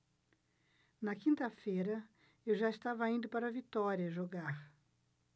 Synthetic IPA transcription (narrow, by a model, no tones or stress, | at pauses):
nɐkĩnt̪ɐfeɾɐ | ewʒaɪst̪avɐĩnd̪ʊpaɾɐvit̪ɔɾiɐʒoɡaɾ